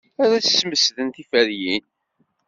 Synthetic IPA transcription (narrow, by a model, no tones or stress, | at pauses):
aɾæsːməsðənt̪ifəɾjin